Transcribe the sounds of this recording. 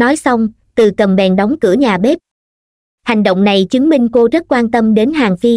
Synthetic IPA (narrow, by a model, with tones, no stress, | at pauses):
nɔ˨˦jsa˧wŋ͡m | t̪ɨ˨˩kə˨˩mɓɛ̰˨˩nɗɔ˨˦wŋ͡mkɨ̰˧˩əɲaː˨˩ɓe˦˥p̚ | ha˨˩jŋ̟ɗo̰˧˨wŋ͡mna˨˩jt͡ɕɨ˨˦əŋmï˧ŋ̟ko˧zə˦˥t̚kwaː˧nt̪ə˧mɗe˨˦nɦaː˨˩ŋfi˧